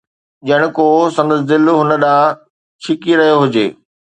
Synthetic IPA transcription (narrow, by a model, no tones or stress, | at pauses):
ʄɐɪɽ̃ʊkosɐ̃nd̪əs̬d̪ɪlɦʊnəɗãː | t͡ɕʰɪkiɾɐɦijoɦʊd͡ʑḛː